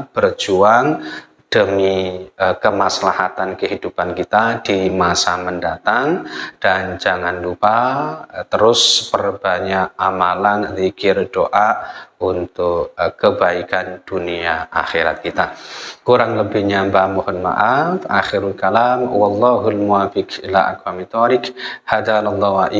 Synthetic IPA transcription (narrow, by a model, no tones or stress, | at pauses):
b̥ərd͡ʒuaŋ | d̥əmiəkəmaslahat̪ankəɦidupankit̪ad̥imasaməndat̪aŋd̥and͡ʒaŋanlupat̪əɾʊspərb̥aɲaʔamalanðikɪrdoʔaunt̪ʊkkːəbaikand̥uniaʔa̰xeɾa̰t̪̚kit̪akuɾaŋləbɪhɲambamɔhɔnma̰ʔafʔa̰xɪɾulkalamwɑlˤːɑɦulmuafɪkila̰ʔa̰kwamit̪ɔɾɪkhad̪analˤːɑɦaʔi